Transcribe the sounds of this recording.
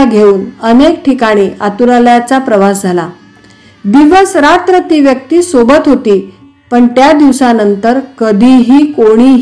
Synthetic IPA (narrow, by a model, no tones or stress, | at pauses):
aɡʱeuːnənek̚ʈʰikaɽ̃iːʔat̪uɾaljat͡sapɾəʋasd͡zʱala | d̪iʋəsɾat̪ɾət̪iʋjək̚t̪iːsobət̪ɦot̪iː | pəɳt̪jad̪iʋsanənt̪əɾkəd̪ʱiɦiːkoɽ̃i